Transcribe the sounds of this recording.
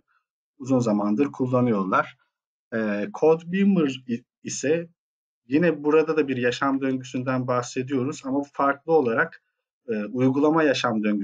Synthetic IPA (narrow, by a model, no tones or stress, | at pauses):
uzunzamand̪ɯɾkʰulˠːanɯjo̞ɾlˠaɾ̥ | ɛːkʰod̪bimɯɾ | isɛ | jinɛbuɾad̪ad̪abiɾjaʃamd̪øɲɟysynd̪ænbaxse̞d̪ijo̞ɾuzamafaɾklˠɯo̞lˠaɾak | ɯːujɡulˠamajaʃamd̪øɲɟy